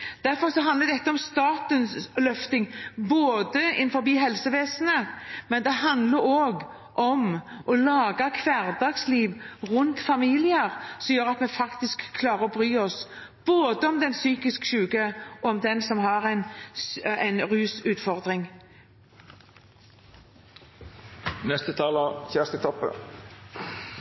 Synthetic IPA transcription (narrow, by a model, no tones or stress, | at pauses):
d̪̥æɾfɔɾsɔɦɑnd̪ləd̪ɛt̪ːəɔmst̪ɑːt̪ənslœft̪ɪŋboːd̪əɪ̰nfɔɾbiːɦɛlsəʋeːsənəmɛnd̪ɛɦɑnd̪ləɾoːɡ | ʔɔmʔɔlɑːɡɑkʰʋæɾd̪ɑːɡsliːʋʁʉnt̪fɑmiːlɪəɾsɔmjøːɾɑt̪mɛfɑkt̪ɪskʰːlɑːɾəɾɔbɾyːɔs | b̥oːd̪əɔmd̪ɛnsyːkɪskʃʉːɡəʔɔɔmd̪ɛnsɔmhɑɾɛɪnsæɪnʁʉːsʉːt̪fɔʁd̪ʁɪŋ | nɛst̪ət̪ʰɑːləçæst̪ət̪ʰɔpːə̰